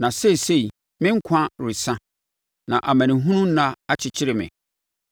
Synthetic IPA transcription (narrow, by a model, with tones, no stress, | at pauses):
nã˨se˦˨se˦˨i˨ | mɪ̃˦ŋ̩˦kʷʰã˦ɾɪ˨sã˦ | nã̰˨ʔa˨mã˨nɪ̃˨ɦũ˦nũ˦n̩˦nã˦a˦t͡ɕʰɪ˦t͡ɕʰɪ˦ɾɪ˨mɪ̰̃˨